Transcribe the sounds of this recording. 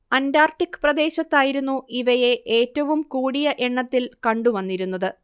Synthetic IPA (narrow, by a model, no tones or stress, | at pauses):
ɐndaːrʈːikːɨ̥prɐd̪e̞ːɕɐt̪ːaːjiɾunːuiʋɐje̞ʔe̞ːtːɐʋumkuːɽijɐʔeɳːɐt̪ːilkɐɳɖuʋɐnːiɾunːɐðɨ